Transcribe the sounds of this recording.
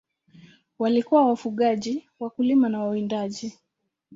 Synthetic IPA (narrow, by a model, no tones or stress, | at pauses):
walikuwawafuɠaʄi | wakulimanawawindaʄi